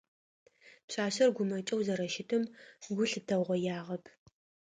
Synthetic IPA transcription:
pɕaːɕɐrɡʷʊmɐt͡ʃʼɐwzɐɾɐʃɪtʰɨmɡʷʊɬɨdɐʁʷɔjaːʁɐpʰ

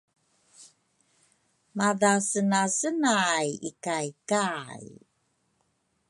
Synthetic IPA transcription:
maðasənasənajḭkajkaj

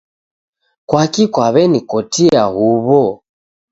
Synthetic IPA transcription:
kwakikwaβɛnikɔtiahuβɔ

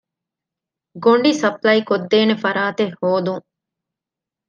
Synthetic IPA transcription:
ɡoɳɖisɐplɐikod̪ːeːnefɐɾaːt̪ehːoːd̪uŋ

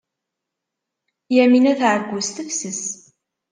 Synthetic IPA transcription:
jæminæθʕəɡʷːʊst̪əfsəs

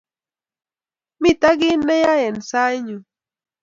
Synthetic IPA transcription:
mit̪aɡinːejajansajɲu

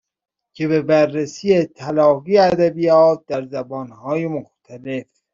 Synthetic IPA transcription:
cʰe̞βebærːesiːet̪ʰælɒːɣiːæd̪æbijɒːt̪̚d̪æɾzæbɒːnhɒːjemoxt̪ʰæle̞f

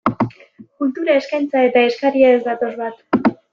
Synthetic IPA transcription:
kult̪uɾae̞skajnt͡sae̞t̪ae̞skaɾiezd̪at̪o̞zβat̪

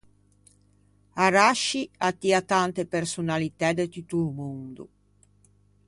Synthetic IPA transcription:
aɾaʃiat̪ːiat̪ant̪epersunalit̪ɛd̪et̪ut̪uumund̪ṵ

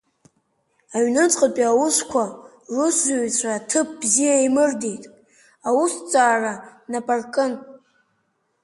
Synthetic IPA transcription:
aɥnɨt͡sʼqʼapʼiawuskʷʰa | rʊszuɥt͡sʷʰratʰɨp̚ʰbzijaimɨrdejtʼ | awust͡sʼaːranapʼarkʼɨn

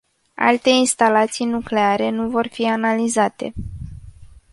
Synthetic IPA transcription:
a̰lt̪e̞inst̪alat̪sijnukle̞aɾe̞nuvo̞rfianalizat̪e̞̰

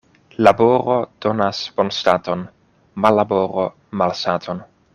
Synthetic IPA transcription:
laboɾod̥o̞nasb̥onstato̞n | malːaboɾo | malstatʰon

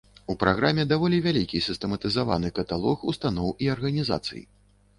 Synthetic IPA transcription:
upɾaɣɾamʲɛd̪avɔlʲivʲalʲikʲisʲɨst̪ɛmɐt̪ɨzava̰nɨkɐt̪alˠɔxṵst̪an̪ɔwiɐrɣɐnʲiza̰t̪sɨ̰jḭ

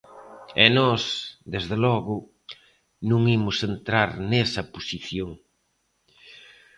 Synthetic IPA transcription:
ɛnɔsd̪ezðelɔɣʊ | nũŋimʊsent̪ɾaɾnesɐposiθjoŋ

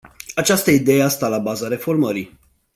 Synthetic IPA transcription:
at͡ʃast̪əid̪e̞jeast̪alabazaɾe̞fo̞rməɾi

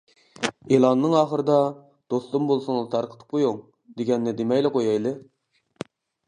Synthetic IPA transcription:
elˠɑnːɨŋɑːχəɾɨd̪ɑ | d̪̥ost̪umbolˠsʊŋlˠɨt̪ʰɑɾqʰə̥t̪ʰɨ̥p̚qʰojoŋ | d̪eɡʲɛnːɪd̪emɛjlɪqʰojɑjlˠɨ

